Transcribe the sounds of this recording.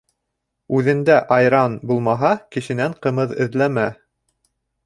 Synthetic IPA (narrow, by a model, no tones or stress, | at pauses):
ʉðɘ̆nd̪æʔɑjɾɑnbulˠmɑɦɑkɘ̆ʃɘ̆næɴqɤ̆mɤðɘ̆ðlæmæ